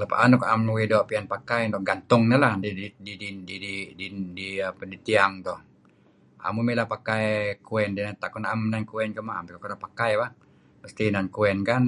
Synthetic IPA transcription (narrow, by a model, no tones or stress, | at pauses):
lapa̰ʔanukamuwidɔpianpakajt̪ɔhɡant̪ʊŋɲalahdiididididididiapədit̪iaŋt̪ɔh | a̰mumilapakajkuɛndinat̪akɔnamnankuɛnkəmaa̰mt̪ukakɔnapakajba | məst̪inankuɛnkan